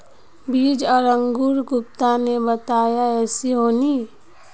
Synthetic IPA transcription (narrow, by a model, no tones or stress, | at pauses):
biːd͡ʒɔɾə̃ŋɡuɾɡʊp̚t̪anebət̪aːjaɛːsiɦoːniː